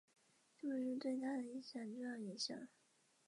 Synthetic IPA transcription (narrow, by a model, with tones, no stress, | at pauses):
t͡ɕo˥˧ʊʂɻ̩˥˧t̪we˥˩ɪt̪ʰa˥d̪ə˩i˧˥nɕjɑ˨˩ŋt͡ɕo˥˧jɑ˥˩i˧˥nɕjɑ̰˨˩˦ŋ